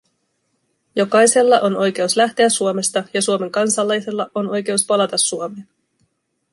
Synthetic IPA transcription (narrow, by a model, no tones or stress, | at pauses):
jo̞kɑjse̞lːɑʔo̞no̞jk̟e̞uslæht̪eæsuome̞st̪ɑjɑsuome̞ŋkɑnsɑlːɑjse̞lːɑʔo̞no̞jke̞uspɑlɑt̪ɑsːuome̞ːn